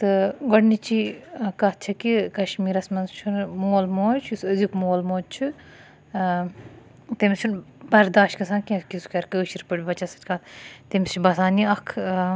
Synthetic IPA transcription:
t̪ɨɡɔɽnit͡ʃikɐt̪̚t͡ʃʰɐkikɐʃmiːɾɐsmɐnzt͡ʃʰunmoːlmoːt͡ʃʰusɐzikmoːlmoːd̪̚t͡ʃʰu | t̪imʲst͡ʃʰunbɐɾd̪aːʃtkɐsãːkʲĩskisu̥kɐɾʲkəːʃiɾpɨɽʲʋɐt͡ʃɐsɐ̥t͡ʃʲkaːt̪t̪imst͡ʃʰibɐsaːniɐkʰ

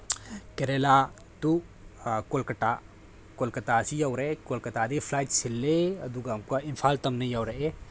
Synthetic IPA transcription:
kɐɾela | t̪u | kolkɐʈa | kolkɐt̪aːsijɐwɾekolkɐt̪aːd̪ifʰlaːjʈsilːeɐd̪uɡamkaimfʰaːlt̪ɐmnɐjɐwɾɐe

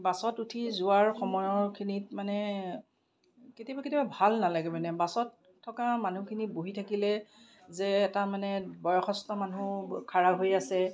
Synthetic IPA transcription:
basɔtutʰizʊaɹxɔmɔjɔɹkʰinitmanɛ | ketiabaketiababʱalnalaɡɛbɛnɛbasɔtʰː | ɔkamanukʰiniboɦitʰakilɛ | zɛːtamanɛbɔjɔxɔstɔmanukʰaɹaɦojasɛ

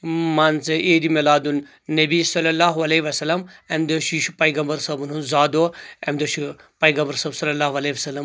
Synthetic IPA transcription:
maːnt͡sɐʔeːd̪imelaːd̪unː | ɐbisɐlːɐlaːɦuɐleiʋɐsɐlːɐmɐmd̪ɐʃiʃupɐjɡɐmbɐɾsɐbununzaːd̪oːɐmd̪ɐʃi | pɐjɡɐmbɐɾsɐbsɐlːɐlaːɦuɐleʋɐsɐlːɐm

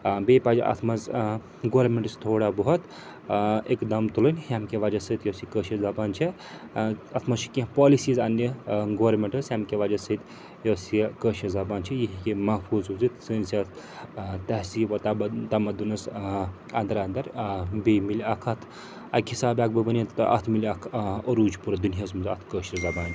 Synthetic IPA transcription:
bepad͡ʒʔɐ̰t̪ʰmɐz | ɡoːɾmeɳʈɨst̪ʰoːɽabɐɦut̪ | ekd̪ɐmt̪ulɨnʲhamkeʋad͡ʒɐsɨt̪josikəʃizɐbaːnt͡ʃʰi | ɐt̪ʰmɐt͡ʃʰi̥kĩpɔlisiːzɐnːɐɡoɾmeɳʈɨsɦjamkeʋad͡ʒɐsɨt̪ | josikəʃɐzɐbaːnt͡ʃʰijiɦikʲemɐɦpʰuːzuzɨt̪sɨːnsiɐt̪ʰ | t̪ɐɦsiʋɐt̪ɐt̪ɐmɐd̪unɨs | ɐnd̪ɐɾand̪ɐɾbemilʲiɐkʰɐt̪ʰ | ɐkhisaːbʲaɡ̚bəbənʲit̪ʔɐ̰t̪ʰmilʲɐkʰəɾuːd͡ʒpuɾɐd̪unʲɦɐsmɨzɐ̰t̪ʰkəːʃizɐbaːnt͡ʃʰ

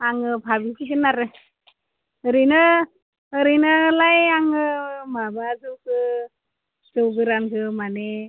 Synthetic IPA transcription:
aŋɯpʰabikʰisɯnaɾɯ | ɯɾɯjnɯː | ɾɯjnɯlajaŋɯmabazɯwkʰɯ | zɯwɡɯɾankʰɯmane

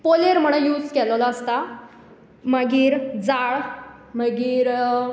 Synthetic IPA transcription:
poleɾm̤əɽ̃ə̃juːd͡zkɛllaəst̪a | məɡiːɾd͡zaɭ | məɡiːɾ

